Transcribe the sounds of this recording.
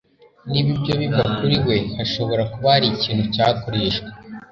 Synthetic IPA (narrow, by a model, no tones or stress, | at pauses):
niβibɟo̞βivakuɾiwe̞haʃo̞βo̞ɾakuβaɾiciːn̤̥ucakoɾe̞ːʃwe̥